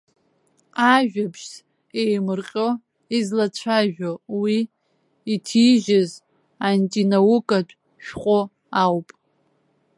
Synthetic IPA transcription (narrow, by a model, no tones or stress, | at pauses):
aʒᶣapʰʃs | ejmɨrqʲʼo | izlat͡ɕʷʰaʒᶣowiː | tʰiʒɪz | antʼinawʊkʼatʷʰʼ | ʃᶣqʷʼo | awpʼ